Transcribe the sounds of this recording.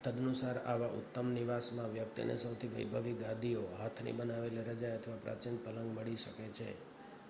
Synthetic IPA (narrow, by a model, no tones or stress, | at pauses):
t̪əd̪nusaɾa̰ʋaʔʊ̰t̪ːəmniʋasmãʋjək̚t̪ḭnʔḛsəwt̪ʰiʋəjbʱəʋik̚ɡad̪ioɦat̪ʰnḭbənaʋeleɾəd͡ʒajət̪ʰəʋapɾa̰t͡ʃin̚pələŋɡməɭiʃəket͡ʃʰḛ